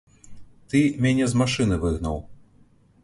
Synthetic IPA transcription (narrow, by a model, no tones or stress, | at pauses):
t̪ɨmʲanʲɛzmaʂɨnɨvɨɣnɐ̰w